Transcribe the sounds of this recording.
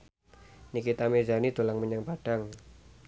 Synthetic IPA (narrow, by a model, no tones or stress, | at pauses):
nikit̪amed͡ʒanid̪̥o̤laŋməɲaŋpaɖ̥aŋ